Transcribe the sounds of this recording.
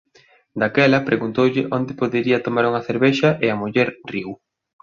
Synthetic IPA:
d̪akɛlɐpɾʔeɣunt̪owʎɪʔond̪ɪpoðeɾiɐt̪omaɾuŋɐθeɾβɛʃɐʔɪɐmuʎɛɾriw

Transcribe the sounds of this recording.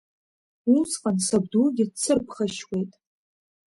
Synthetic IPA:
usʼqʼansabduɡʲɪt͡sʰɨrpʰχaʃwʷe̞jtʼ

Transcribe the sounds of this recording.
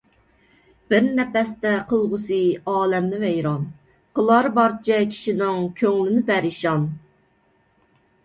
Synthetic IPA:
b̥ɪɾnɛpɛst̪ɛqʰəlˠʁʊsɨɑːlɛmnɪvɛjɾɑn | qʰəlˠɑɾbɑɾt͡ʃʰɛkʲʰi̥ʃinɪŋkʲʰøŋlɪnɪbɛɾiʃɑn

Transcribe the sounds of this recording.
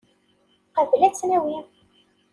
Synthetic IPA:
qəvlæt͡sːnæwi

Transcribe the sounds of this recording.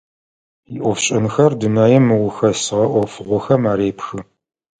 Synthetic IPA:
iʔʷɔfɕʼɪnxɐrdɨnaːjɛmɨwʊxɐsɨʁɐʔʷɔfɨʁʷɔxɐmaːɾeːpxɨ

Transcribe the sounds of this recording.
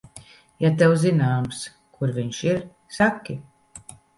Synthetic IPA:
jat̪ɛwzinaːms | kuɾviɲʃiɾ | sakʲːi

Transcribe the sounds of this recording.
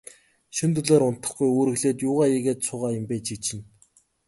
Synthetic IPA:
ʃɵnt̪ɵɮoːɾʊn̥t̪ə̆χɡujoːɾɘ̆ɣɮeːt̪jʊːʁaːiɣeːt̪sʰʊːʁaːjʊ̆mpeːt͡ɕit͡ɕɪ̆n

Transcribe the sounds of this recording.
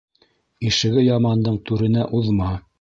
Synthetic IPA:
iʃɘ̆ɡɘjɑmɑnd̪ɤɴt̪ʉɾɘ̆næʔuðmɑ

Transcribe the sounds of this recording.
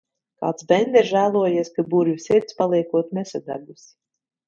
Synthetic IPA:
ka̰ːt̪sbɛnd̪ʲɛɾʒæːlˠuɔjiɛskabuɾvusʲiɾt̪spalˠiɛkuɔt̪mɛsad̪a̰ɾdusʲ

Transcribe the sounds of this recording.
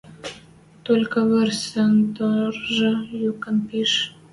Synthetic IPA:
t̪olʲkəβərsənd̪orʒəjokənpiʃ

